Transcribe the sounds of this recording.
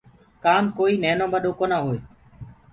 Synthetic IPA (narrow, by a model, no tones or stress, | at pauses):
kaːmkoːiːnɛːnõːbəɗoːkoːnãːɦoːeː